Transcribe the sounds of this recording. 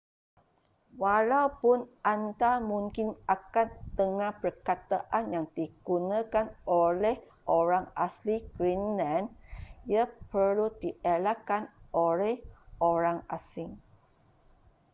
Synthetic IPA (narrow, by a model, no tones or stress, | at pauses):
walawpʊnʔant̪amũŋkinakant̪əŋãhpərkat̪aʔanjaŋd̥iɡ̥unãkanʔolɛh | ʔoɾaŋasliɡ̥ɾinlãnjapəludiʔelakanolɛhʔoɾaŋasiŋ